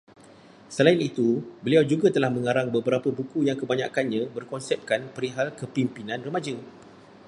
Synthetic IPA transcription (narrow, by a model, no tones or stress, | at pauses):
səlainit̪ubəliawd͡ʒuɡat̪əlahmə̃ŋaɾaŋbəbəɾapəbukujaŋkəbaɲa̰kanɲãbərkɔnsɛp̚kanpəɾiɦalkəpimpinãnrəmad͡ʒə